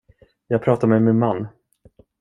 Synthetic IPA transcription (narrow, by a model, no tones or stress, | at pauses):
jɑːɡ̚pʰɾɑːt̪amɛjmɛnmanː